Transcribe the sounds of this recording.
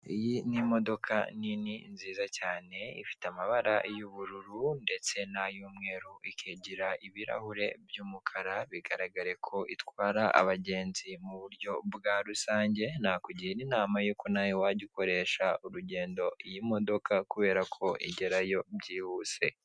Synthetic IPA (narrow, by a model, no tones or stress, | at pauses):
ijinimo̞do̞kʰa̰nininziːzacaːne̞ḭfi̥tamaβaɾa̰juβuɾuɾunde̞t͡se̞najuːmŋe̞ːɾuikʰeɟiɾaʔiβiɾa̰huɾe̞bjuːmukʰaɾaβiɡaɾaɡaɾe̞kʰo̞ʔitwaːɾaʔa̰βaɟe̞ːnzimuβuɾjo̞bɡaːɾusaːɲɟe̞nakuɟijeninaːmajuːkonajowaɟiko̞ɾe̞ːʃauɾuɟe̞ːndo̞jimo̞do̞kʰakuβe̞ːɾakʰo̞ḭɟe̞ɾajo̞bɟiːhuːse̞̰